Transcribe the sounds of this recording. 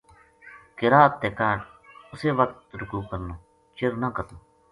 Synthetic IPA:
kɪɾaːt̪ːeːkaːʈʊseːʋək̚t̪ɾʊkuːkəɾnõː | t͡ʃɪɾnãːkət̪oː

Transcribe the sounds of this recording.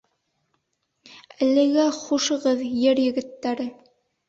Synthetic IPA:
ælɘ̆ɡæχuʃɤ̆ʁɤðjɘɾjɘ̆ɡɘ̆t̪ːæɾɘ

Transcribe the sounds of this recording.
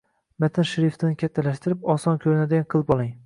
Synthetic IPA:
mat̪ʰɪnʃɪɾɪft̪ʰɪnɪkʲʰat̪ʰːalaʃt̪ɪɾɪpɒsɒnkʲʰɵɾɪnad̪ɪɡanqʰɨlˠɪpɒlˠɪŋ

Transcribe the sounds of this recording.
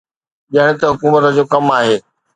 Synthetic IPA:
ʄɐɦɪɽ̃ɪ̆t̪ɐɦʊkuːmət̪ə̆d͡ʑoːkɐmaːɦeː

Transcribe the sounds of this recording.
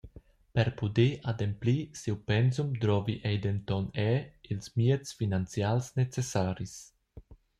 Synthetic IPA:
pɛɾpud̪eʔad̪emplisiwpɛnsumd̪ɾɔviʔɛjd̪ent̪ɔnɛilsmiet͡sfinant͡sjalsnet͡sesaːɾis

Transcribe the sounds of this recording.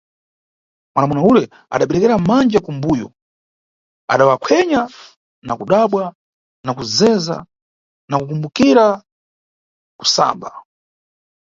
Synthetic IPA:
mwanamɔnaulɛ | a̰ɗaɓɛɾɛkɛɾamand͡ʒakumbujɔ̰ | a̰ɗawakʰɛɲa | nakuɗaɓwa | nakuzɛza̰ | nakukumbukiɾa | ku̥sa̰ːmba

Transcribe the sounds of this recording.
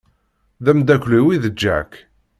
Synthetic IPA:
ðæmd̪ækʷːliwiðəd͡ʒːæ̰k

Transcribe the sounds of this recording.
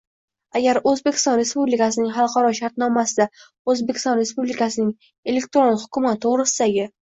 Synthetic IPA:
aɡʲaɾɵzbe̞kʲʰɪ̥st̪ɒnɾe̞spublɪkas̬ɪnɪŋχɑlˠqʰɑɾɒʃaɾt̪nɒmasɪd̪a | ozbekʲɪ̥st̪ɒnɾe̞spublɪkasɪnɪŋ | e̞lekt̪ɾonhʊkʰʲʊmat̪ʰːoʁɾɪsɪd̪aɡʲɪ

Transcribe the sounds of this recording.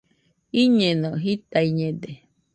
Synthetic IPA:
iɲẽnõɦit̪aiɲẽd̪e

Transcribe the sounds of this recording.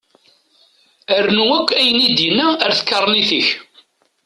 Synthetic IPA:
æɾnuækʷːæjənid̪jənæəɾθə̥kːəɾˤːniθəç

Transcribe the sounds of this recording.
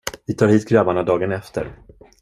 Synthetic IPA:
vɪt̪ʰɑːɾhiːt̪ɡɾabaɳad̪ɑːɡənɛft̪ʰə̰ɾ

